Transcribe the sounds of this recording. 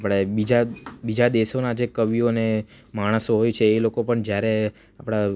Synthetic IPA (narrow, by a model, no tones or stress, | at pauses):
apɽ̃ebid͡ʒabid͡ʒad̪eʃonad͡ʒekəʋijone | maɽ̃əsoɦojt͡ʃʰeːlokopəɳd͡ʒjaɾe | apɽ̃a